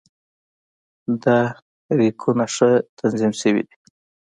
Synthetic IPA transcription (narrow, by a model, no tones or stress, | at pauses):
d̪a | ɾikʰunaʂət̪ʰanzimsəwḭd̪i